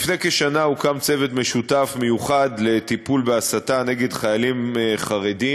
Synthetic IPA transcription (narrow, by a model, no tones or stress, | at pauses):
fnekeʃanaukamt͡se̞vet̪me̞ʃutafme̞juχadle̞t̪ipulbeasatane̞ɡedχajalimχaʁe̞di